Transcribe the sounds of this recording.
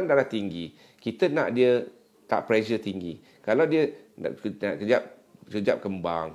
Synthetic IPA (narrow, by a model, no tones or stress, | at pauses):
ndalaht̪iŋɡi | kit̪əna̰ʔdiə | t̪a̰ʔplɛʃət̪iŋɡi | kalawdiə̰ | aʔkəd͡ʒap̚ | kəd͡ʒap̚kəmbaŋ